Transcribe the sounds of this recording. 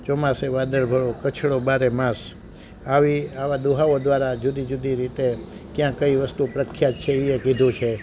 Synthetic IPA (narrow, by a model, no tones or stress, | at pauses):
t͡ʃɔmaseʋad̪əɭbʱəɭokət͡ʃʰɭobaɾemãs | aʋiaʋad̪uɦaod̪ʋaɾad͡ʒud̪id͡ʒud̪ʱiɾit̪ekjãkəiʋəst̪upɾəkʰːjat̪t͡ʃʰeiekid̪ʱũt͡ʃʰe